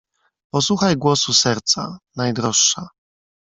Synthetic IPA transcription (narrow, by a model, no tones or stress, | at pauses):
pɔswuxajɡwɔsusɛɾt̪sa̰najd̪ɾɔʂːa